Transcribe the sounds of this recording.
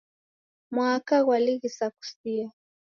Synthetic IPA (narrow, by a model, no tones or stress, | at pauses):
mwakaɣwaliɣisaku̥sia